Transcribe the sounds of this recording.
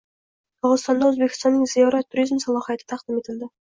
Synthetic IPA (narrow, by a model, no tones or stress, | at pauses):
qʰɑʁzɨ̥st̪ɑnd̪ɑwɵzbekʲɪ̥st̪ɑnːɪŋzijɑɾɑt̪ʰːuɾizmsɑlˠɑχijat̪ʰə̥t̪ʰɑqd̪ɪmet̪ɪld̪ɪ